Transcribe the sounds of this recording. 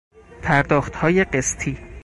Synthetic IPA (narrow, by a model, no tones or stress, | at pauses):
pʰæɾd̪ɒːxt̪hɒːje̞ɢest̪ʰiː